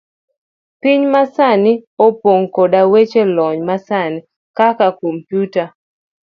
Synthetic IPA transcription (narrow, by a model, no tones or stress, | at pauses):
piɲmasaniopoŋkodawet͡ʃelɔɲmasani | kakakompjuta